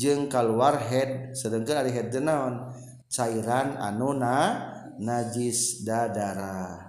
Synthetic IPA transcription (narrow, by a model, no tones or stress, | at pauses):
d͡ʒɨŋkaluarɦɛd̚səɾəŋkənaɾiɦɛd̚dənaɔn | t͡ʃaiɾana̰nuna | nad͡ʒisdadaɾa